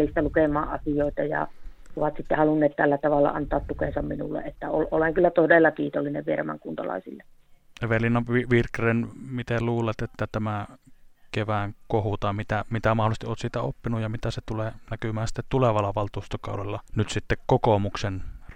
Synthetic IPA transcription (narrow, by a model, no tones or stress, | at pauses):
list̪ɑlukemˑɑːʔʔɑ̰sijoˑit̪ɑjɑ̰oʋɑt̪sit̪ːehɑlunːˑeːt̪t̪ælːæt̪ɑʋɑlːɑ̰ʔɑ̰nt̪ɑːt̪t̪ukensɑmminṵlːḛʔʔet̪ːæolʔoleŋkylːæt̪odeˑlːɑkiːt̪olːineʋʋieræmæ̰ŋkunt̪ɑ̰lɑ̰ˑisilːeeʋelinːɑʋiʋirkrenmit̪eluːlet̪et̪ːæt̪æmæ | keʋæŋkohut̪ɑˑmit̪æmit̪æmɑholˑist̪iʔoːt̪siːt̪æopːinujjɑmit̪æset̪uleːnækymæːnsi̥t̪ːet̪t̪uleʋɑlːɑʋɑlt̪uːst̪okɑ̰ˑudelːɑnyt̪sit̪ːekkokomuksen